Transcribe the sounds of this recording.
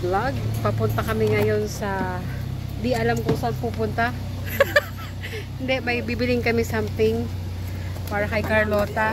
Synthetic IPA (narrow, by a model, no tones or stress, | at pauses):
laɡ̚pɐpʊnt̪ɐkɐmɪŋɐjo̞nsɐ | d̪iʔɐlamkʊŋsanpuːpʊnt̪a | hɪnd̪ɛmɐjbibɪlɪŋkɐmɪsamt̪ɪŋ | paːɾɐkɐjkɐɹlo̞ːt̪ɐ